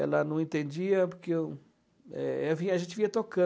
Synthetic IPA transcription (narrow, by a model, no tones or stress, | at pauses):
ɛ̰lɐnɐ̃w̃ẽt̪ẽnd͡ʒiɐpoɾke | ɛ̰ɛviɐʒẽnt͡ʃ̪ɪviɐt̪okɐ̃